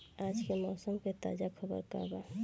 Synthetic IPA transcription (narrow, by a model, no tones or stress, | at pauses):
ad͡ʒkemɔːsomket̪a̰d͡ʒakʰɔbɔ̰ɾka̰ɾba